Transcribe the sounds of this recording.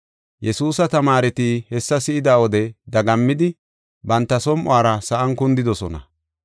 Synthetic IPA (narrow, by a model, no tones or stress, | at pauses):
jɛsuːsɐt̪ɐmaːɾɛt̪iːhɛsːɐsɪɪd̪aːwɔd̪ɛd̪ɐɡɐmːɪd̪ɪ | bɐnt̪ːɐsɔmʔwaːɾɐsɐʔɐŋkʊnd̪ɪd̪ɔsɔnɐ̰